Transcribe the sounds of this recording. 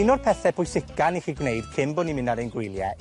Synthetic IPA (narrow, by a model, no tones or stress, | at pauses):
ɪnɔd̥pʰɛθɛpʰʊjsɪkaniχiːɡnejd̥kʰɪmbɔnimɪnaɾenɡwɪlˠjɛ̰